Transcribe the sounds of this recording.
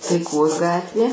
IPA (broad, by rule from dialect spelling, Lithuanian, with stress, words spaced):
tɐɪˈkoːs ˈɡɑːtʲʋʲeː